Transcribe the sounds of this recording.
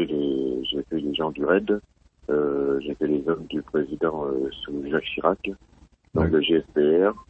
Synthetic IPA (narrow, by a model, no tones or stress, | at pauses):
ɛleʒefɛleʒɑ̃d̪yʁɛd̪ | øʒefɛlezɔmd̪ypχezid̪ɑ̃øsuʒakʃiʁak | d̪ɔ̃kləʒeɛsbeɛʁ